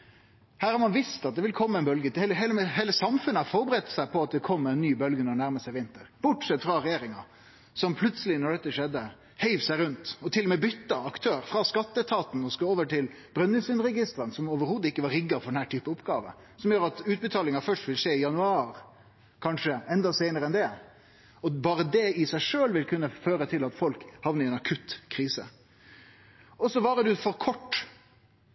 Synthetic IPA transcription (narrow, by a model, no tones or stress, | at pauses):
hæːɾhɑɾmɑnʋɪst̪ɑt̪̚d̪ɛʋɪlkʰɔmːəɛɪnbœlɡət̪ɛːləɦeːləmɛheːləsɑmfʉnəhɑɾfɔɾbəɾɛt̪ːsæɪpʰɔɑt̪̚d̪ɛkʰɔmːɛɪnːyːbœlɡənɔnæɾməsɛʋɪnt̪əɾb̥ʊʈsɛt̪ːfɾɑɾɛjeːɾɪŋɑ̰ | sɔmpʰlʉt̪səlɪnɔɖɛt̪ːəʂɛd̪ːə | heɪʋsæɪɾʉnt̪ɔt̪ʰɪlːɔmɛbʏt̪ːɑɑkt̪ʰøːɾfɾɑskɑt̪ːət̪ʰɑːt̪n̩ɔskooːʋəʈɪl | b̥ɾœnːʉsʉnɾɛɡɪst̪ɾənsɔmoːʋəɾhuːd̪əɪkːəʋɑɾɪɡːɑfɔɾɖɛnhæːʈʰyːpəʊpɡɑːʋə̰ | sɔmjøːɾɑt̪ʉːt̪̚bət̪ʰɑːlɪŋɑfœʂʈʋɪlʂeːɪjɑnʉɑːɾ | kʰɑnʂəɛnd̪ɑsæɪnəɾəɛnd̪ɛ | ɔbɑːɾəd̪ɛɪsæɪʂøːlʋɪlkʰʉnːəføːɾət̪ʰɪlɑt̪fɔlkhɑʋnəɛnɑkʰʉt̪kʰɾiːsə̰ | ɔsɔʋɑːɾəd̪ʉfɔɾkʰɔʈː